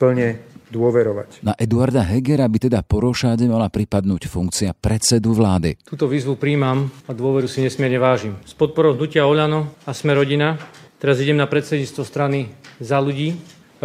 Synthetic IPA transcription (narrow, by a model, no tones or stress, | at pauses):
pl̩ɲɛd̪ʊɔʋɛɾɔʋa̰cnaʔɛd̪uaɾd̪aɦɛɡɛɾabit̪ɛd̪apɔɾɔʃaːɟɛmalapɾipad̪nuːcfuŋkt͡siapɾɛt̪t͡sɛd̪uʋlaːd̪ḭt̪uːt̪ɔʋiːzʋupɾiːmamad̪ʊɔʋɛɾusiɲɛsmɪɛɾɲɛʋaːʒimspɔt̪̚pɔɾɔʊɦnucɪaɔʎanɔasmɛɾɔɟinat̪ɛɾaziɟɛmnapɾɛt̪sɛd̪ɲiːt͡st̪ʋɔst̪ɾanizaluɟiː